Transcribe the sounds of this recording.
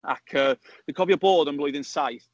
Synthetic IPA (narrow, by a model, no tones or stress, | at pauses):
a̰kʰəː | ðəkʰɒviəbɔːdə̃nblɔɪðɪ̃nsaɪθ